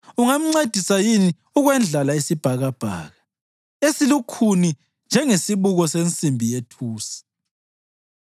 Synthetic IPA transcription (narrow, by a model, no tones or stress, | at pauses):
uŋam̩ŋ͡ǀed̥ʱisajini | uɣwɛnd͡ɮʱalaisib̥ʱaɣab̥ʱa̰ːɣa | esilukʰuni | nd͡ʒʱɛŋesiβuɣɔsent͡sʼimbʱijetʰuːsi̥